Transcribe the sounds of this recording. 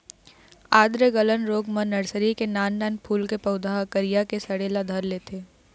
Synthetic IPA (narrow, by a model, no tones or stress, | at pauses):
aːd̪ɾəɡələnɾoːɡmənːɐɾsəɾikenaːnːaːnpʰuːlkepɐʊd̪ʱaɦkəɾijakesɐɽeːlad̪ʱɐɾleːt̪ʰeː